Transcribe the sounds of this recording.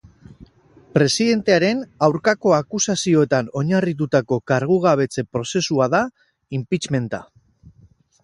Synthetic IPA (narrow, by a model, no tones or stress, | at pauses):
pɾe̞siðe̞nt̪e̞aɾe̞nawɾkako̞akusasio̞e̞t̪ano̞ɲarit̪̬ut̪ako̞kaɾɣ̞uɣ̞aβ̞e̞t͡se̞pɾo̞se̞suaða | impit͡ʃme̞nt̪a̰